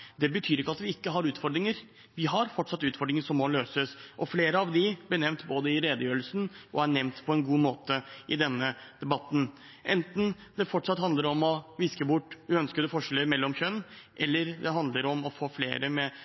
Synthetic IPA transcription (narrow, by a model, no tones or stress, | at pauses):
d̪ɛbət̪ʰyːɾɪkːəɑt̪ʋɪɪkːəɦɑɾʉːt̪fɔɖ̪ɾɪŋəɾ | ʋɪɦɑɾfɔʈːʂɑt̪ːʉːt̪fɔɖɾɪŋəʂɔmːɔløːsəsʔɔfleːɾəɑʋd̪ɪblɪɳɛmnt̪boːd̪əɪɾeːd̪əjøːɾəlsn̩ʔɔ̰æɳɛʋnt̪pʰɔɛnɡuːmoːt̪əʔɪd̪ɛnːəd̪̥ɛbɑt̪ːn | ʔɛnt̪n̩d̪ɛfɔʈːʂɑt̪ːhɑnd̪əɾɔmɔʋɪskəbʊʈːʉœnskəd̪əfɔʂɛləɾmɛlːɔmçœnːʔɛlːəɾd̪ɛɦɑnd̪ləɾɔmɔfoːflḛːɾəmɛ